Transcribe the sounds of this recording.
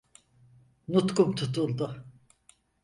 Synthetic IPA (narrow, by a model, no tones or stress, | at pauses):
nut̪kumt̪ʰut̪ʰulˠd̪ʊ